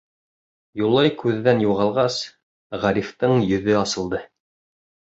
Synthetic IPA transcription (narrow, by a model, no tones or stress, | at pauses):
julˠːɑjkʉðːænjuʁɑlˠʁɑs | ʁæɾift̪ɤɴjɵ̆ðɵɑsɤ̆lˠd̪ɤ